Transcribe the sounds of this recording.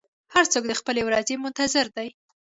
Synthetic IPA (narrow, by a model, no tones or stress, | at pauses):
haɾt͡sok̚d̪əxpəlewɾɑzemʊnt̪azɪɾd̪aj